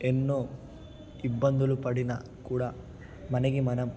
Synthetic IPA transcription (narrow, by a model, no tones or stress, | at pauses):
enːoː | ibːɐnd̪ɐlupɐɽinɐ | kuːɽɐ | mɐneɡimɐnɐm